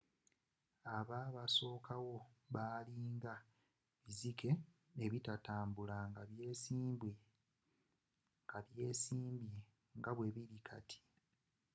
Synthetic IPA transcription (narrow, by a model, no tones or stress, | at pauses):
aβaːβaso̞ːkʰawo̞βaliːŋɡa | βizikʰe̞ː | βitataːmbulaŋɡaβje̞ːsiːmbwe | ŋɡ̥aβje̞ːsiːmbje | ŋɡaβwe̞βiɾikʰatʰi̥